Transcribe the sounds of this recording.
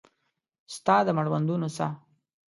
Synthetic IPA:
st̪ɑd̪əmaɽwand̪unosa̰

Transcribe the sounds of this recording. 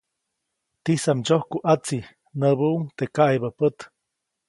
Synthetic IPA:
t̪isamd͡ʒohkuʔat͡si | nəbuuŋt̪ekaʔjbəpət̪

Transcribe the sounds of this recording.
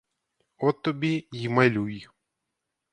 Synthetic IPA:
ɔt̪ːɔbʲijimɐlʲuj

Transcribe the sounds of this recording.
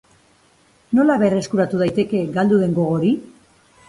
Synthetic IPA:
no̞laβe̞re̞skuɾat̪uð̞ajt̪e̞ke̞ɡald̪uðe̞ŋɡo̞ɣ̞o̞ɾi

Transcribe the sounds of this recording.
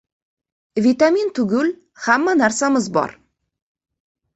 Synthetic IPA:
vʲit̪amint̪ʊɡʲʊl | hamːanaɾsamɪzbɒ̰ɾ

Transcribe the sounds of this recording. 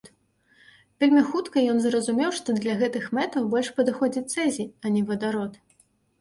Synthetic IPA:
t̪ | vʲelʲmʲixut̪kɐjɔnzrɐzumʲɛwʂt̪ɔd̪lʲɐɣɛt̪ɨxmɛt̪ɐwbɔlʲʂpɐd̪ɨxɔd͡zʲit̪sɛzʲiɐnʲɛvɐd̪aɾɔt̪

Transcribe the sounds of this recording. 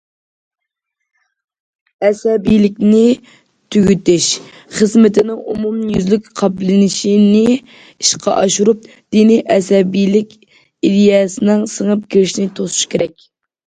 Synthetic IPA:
ɛsɛbijlɪkʲnɪ | t̪ʰyɡʲyt̪ɪʃ | χəzmɪt̪ʰɪnɪŋʔumumjyzlykʲqʰɑplɪnɪʃinɪ | iʃqʰɑ̰ʔɑʃuɾup̚ | d̪̥iniʔɛsɛbijlɪkʲ | id̪ijɑːsɨnɪŋsəŋəp̚kʲʰiɾɪʃnɪt̪ʰosu̥ʃkʲʰeɾɛkʲ

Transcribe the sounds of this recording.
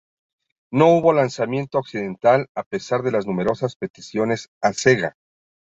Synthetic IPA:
no̞uβo̞lansamje̞nt̪o̞ːksiðe̞nt̪alape̞saɾðe̞laznũme̞ɾo̞saspe̞t̪isjo̞ne̞sase̞ɣa̰

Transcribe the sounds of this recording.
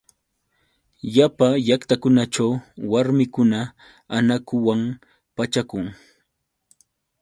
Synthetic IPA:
japaʎakt̪akʊnat͡ʃawwaɾmɪkʊna | anakʊwam | pat͡ʃakʊŋ

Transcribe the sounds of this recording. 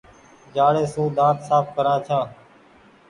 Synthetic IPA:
d͡ʒaːɽeːsũːd̪ãːt̪saːp̚kəɾãːt͡ʃʰãː

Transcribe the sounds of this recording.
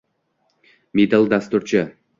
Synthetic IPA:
mid̪alˠd̪ast̪uɾt͡ʃʰɪ

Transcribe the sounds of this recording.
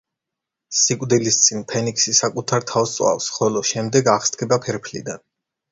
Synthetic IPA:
sikʼwd̪ilist̪sʼinpʰɛnikʰsisakʼut̪ʰaɾt̪ʰafst̪sʼwa̰fsχɔlɔʃɛmd̪ɛɡaχst̪ɡʰɛbapʰɛɾpʰlḭd̪an

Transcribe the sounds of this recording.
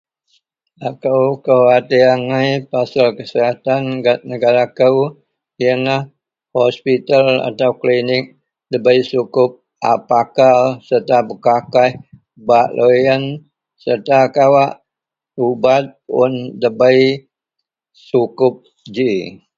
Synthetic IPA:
akəwkəwat̪iaŋajpasalkəsəɦat̪anɡat̪̚nəɡaɾakəw | iənah | hɔspit̪ala̰t̪auklinɪk̚ | dəbəjsukʊp̚ | a̰pakasərt̪abəkakah | baʔlʔojən | sərt̪akawaʔ | ubat̪̚ʊ̰ndəbaj | sukʊp̚ | d͡ʒi

